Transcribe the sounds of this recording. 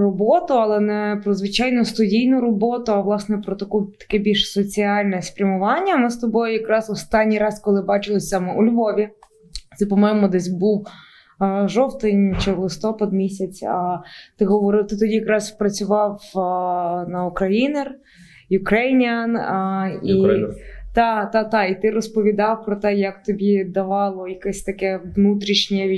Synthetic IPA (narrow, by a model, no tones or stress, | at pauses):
rɔbɔt̪ʊɐlˠɛnɛpɾɔzʋɪt͡ʃɑjnʊst̪ʊdʲijnʊɾɔbɔt̪ʊɐʋlˠɑsnɛpɾɔt̪ɐkut̪ɐ̥kɛbʲilʲʃsɔt͡sʲiɑlʲnɛspɾʲɐmʊʋɑnʲːɐmɪst̪ɔbɔjʊjɐkɾɑzɔst̪ɑnʲːijɾɑskɔlˠɪbɑt͡ʃɪlˠɪsʲɑmɛʔʊlʲʋɔʋʲi | t̪sɛpɔmajmʊd̪ɛsʲbuw | ʒɔwt̪ɪnʲt͡ʃɛlˠɪst̪ɔpɐd̪mʲisʲɐt͡sʲɐt̪ɪɦɔʋɔɾɪt̪ɪt̪ɔdʲijɐkɾɑzpɾɐt͡sʲʊʋɑw | nɐukɾɐjinɛr | jʊkɾɛjnʲɐn | i | t̪ɑt̪ɑt̪ɑit̪ɪɾɔspɔʋʲid̪ɑwpɾɔt̪ɛjɐk̚t̪ɔbʲid̪ɐʋɑlˠɔjɐkɛsʲt̪ɐkɛʋnut̪ɾʲiʃnʲɛʋʲ